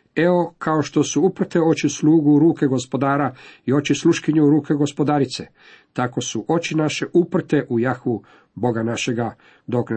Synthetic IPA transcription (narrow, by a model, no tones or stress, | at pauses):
eo̞kʰao̞ʃt̪osuupr̩t̪eo̞t͡ʃisluːɡuɾuːke̞ɡo̞spo̞d̪aːɾaio̞t͡ʃisluʃkiɲuɾuːke̞ɡo̞spo̞d̪aɾit̪se | t̪ako̞suʔo̞t͡ʃinaʃeʔupr̩t̪e̞ʔujaxʋu | bo̞ɡanaʃe̞ɡa | d̪okn